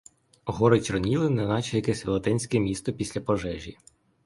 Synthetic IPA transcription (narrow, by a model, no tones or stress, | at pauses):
ɦɔɾet͡ʃɾnʲilˠɪnɐnɑt͡ʃɛjɐkɛsʲʋʲḭlˠɐt̪ɛnʲsʲkɛmʲist̪ɔpʲisʲlʲɐpɔʒɛʒʲi